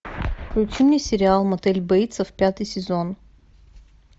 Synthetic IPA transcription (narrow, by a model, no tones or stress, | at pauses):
fklʲʊt͡ʃimnʲisʲɪɾʲɪalˠmɐt̪ɛlʲbɐit̪səfpʲat̪ɨjsʲɪzon